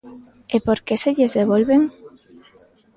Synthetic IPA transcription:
epoɾkeseʎezðeβ̞olβeŋ

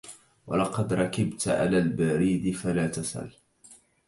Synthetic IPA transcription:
wɑ̰lɑqɑd̪ɾˤɑkɪbt̪ʕa̰laːlbaɾiːd̪ɪfalaːt̪asa̰l

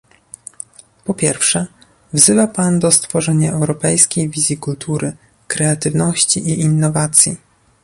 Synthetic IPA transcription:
pɔpʲjɛɾfʂɛ | vzɘvapand̪ɔst̪fɔʐɛɲaʔɛwɾɔpɛjskʲejvʲizʲjikult̪ʰuɾɘ | kɾɛat̪ɘvnɔɕt͡ɕiʔiinːɔvat̪sʲjḭ

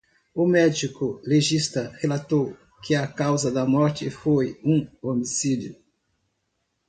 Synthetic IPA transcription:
ʊmɛd͡ʒikʊleʒist̪ɐhelat̪ow | kɪɐkawzɐd̪ɐmɔɾt͡ʃɪfojũomisid͡ʒjʊ

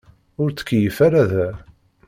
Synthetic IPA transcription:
ʊɾt͡sːə̥kːjəfaɾaðæ

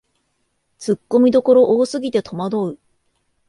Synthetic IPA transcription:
t͡sɨkːo̞mʲid̪o̞ko̞ɾo̞ʔoːsɨɡʲit̪e̞t̪ʰo̞mad̪o̞ɯ̟

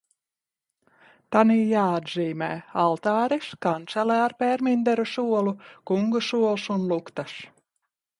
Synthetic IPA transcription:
t̪aniːjaːad̪ziːmɛːalˠt̪ɑːɾiskant̪sɛlɛaɾpɛɾmind̪ɛɾusuɔlˠukuŋɡusuɔlˠsunlˠukt̪as

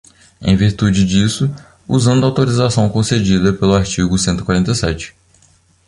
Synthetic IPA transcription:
ḛ̃j̃viɾt̪ud͡ʒɪd͡ʒisʊ | uzɐ̃d̪ʊɐawt̪oɾizasɐ̃w̃kõsed͡ʒid̪ɐpelʊaɾt͡ʃiɡʊsẽnt̪ʊikwaɾẽnt̪ɐjsɛt͡ʃɪ̥

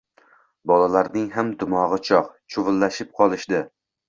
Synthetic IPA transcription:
bɒlalaɾnɪŋɦamd̪ʊmɒʁɨt͡ʃʰɒqt͡ʃʰʊvɪlːaʃɪp̚qʰɒlˠɪʃd̪ɪ

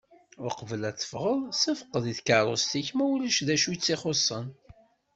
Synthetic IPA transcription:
ʊɾqəvəlæθːə̥fʁəðˤsæfə̥qːəðiθkɑɾˤo̰st̪içmæwliʃðæʃujt͡sːiχosˤːən

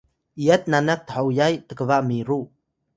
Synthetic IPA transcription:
ʔijat̪̚nanak̚t̪əhawjajt̪əkəvaʔmiɾu

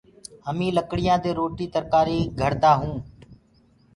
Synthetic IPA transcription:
əmĩːləkɽɪjãːd̪eːɾoːʈiːt̪əɾkaːɾiːɡʱəɾd̪aːɦũː

